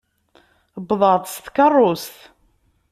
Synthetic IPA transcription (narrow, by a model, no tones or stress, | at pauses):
bðˤɑðˤst̪kɑrˤːost̪